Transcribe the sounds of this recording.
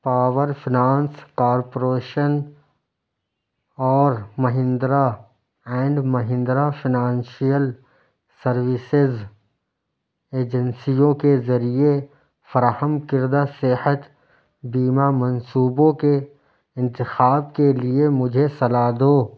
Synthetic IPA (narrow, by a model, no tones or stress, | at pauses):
paːʋəɾfɪnaːnskaːɾpoɾeːʃən | ɔːɾmɐɦɪ̃nd̪ɾa | ɛ̃ːɳɖmɐɦɪ̃nd̪ɾafɪnãːnʃijəl | sɐɾʋɪsɪz | eːd͡ʒənsijõkezɐɾie | fɐɾaːhəmkɪɾd̪asɪhət̪ | biːmamɐ̃nsuːbõke | ɪ̃nt̪ɪxaːbkeliemʊd͡ʒʱesɐlaːd̪oː